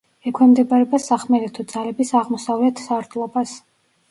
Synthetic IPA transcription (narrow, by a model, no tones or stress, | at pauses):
ɛkʰwɛmd̪ɛbaɾɛbasaχmɛɾɛt̪ʰɔd̪zalɛbisaʁmɔsavlɛt̪ʰsaɾd̪ʰlˠɔbas